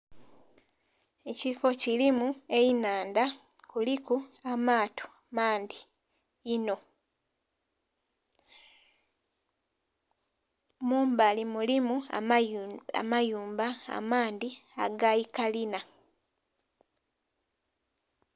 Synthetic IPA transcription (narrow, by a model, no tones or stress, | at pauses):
e̞cifo̞cilimue̞jinaːnda | kulikuamaːtʰo̥ | maːndiː | no̞ | muːmbalimulimua | a̰majuːmbaa̰maːnd̪ia̰ɡajikalina